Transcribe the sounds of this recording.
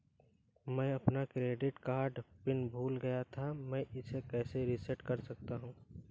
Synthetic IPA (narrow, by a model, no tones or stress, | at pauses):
mɛ̃ːɐpnakɾeːɖɪʈkaːɾɖpɪnbʱuːlɡɐjat̪ʰamɛ̃ʔɪsekɛːseɾɪsɛʈkɐɾsɐk̚t̪aɦũː